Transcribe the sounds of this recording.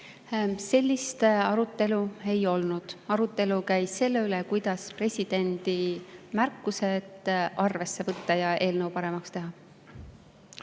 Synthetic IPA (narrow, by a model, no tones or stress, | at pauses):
se̞lʲːist̪ɑɾut̪ˑːe̞lue̞jo̞lnud̪̥ɑɾut̪ːˑe̞lukæjse̞lːe̞ylekujd̪̥ɑspre̞sʲid̪̥e̞nd̪̥imærkːuse̞t̪ʔɑrve̞sːe̞vɤt̪ːɑjɑʔe̞ːlnəwpɑɾe̞mɑkst̪e̞ɦɑ